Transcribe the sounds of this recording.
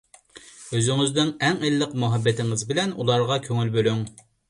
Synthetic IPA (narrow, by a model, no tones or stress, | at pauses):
øzyŋɪzd̪ɪŋɛŋelːəqmuɦɑbːɛt̪ʰɪŋɪzbɪlɛnulˠɑɾʁɑkʲʰøŋylbølyŋ